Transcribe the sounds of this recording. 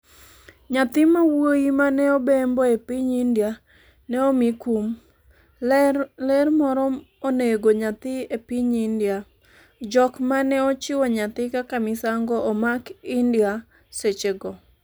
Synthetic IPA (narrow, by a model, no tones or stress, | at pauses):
ɲat̪ɪmawojimanɛobemboepiɲindja | nɛomɪkum | lɛɾmɔɾɔ | oneɡoɲat̪ɪepiɲindja | d͡ʒɔkmanɛot͡ʃɪwɔɲat̪ɪkakamɪsaŋɡɔʔːmakɪndja | set͡ʃeɡɔ